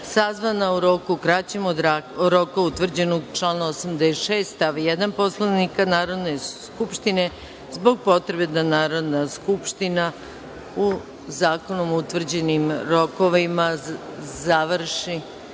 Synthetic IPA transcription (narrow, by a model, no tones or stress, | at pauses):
sazʋanauɾo̞kukɾat͡ɕemod̪aoɾo̞kaut̪ʋr̩d͡ʑe̞noɡt͡ʃlaːnaosamd̪eʃeːst̪aʋijed̪anpo̞slˠanikanaːɾo̞d̪ne̞skupʃt̪ine̞ | zbo̞ɡ̚po̞t̪ɾe̞be̞d̪anaːɾo̞d̪naskupʃt̪ina | u | zaːko̞nomout̪ʋr̩d͡ʑe̞nimɾo̞koʋima | zaʋr̩ʃi